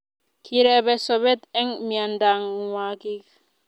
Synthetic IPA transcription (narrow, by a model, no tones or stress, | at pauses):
kʰiɾɛbɛsɔβɛt̪ɛŋmiandaŋwakik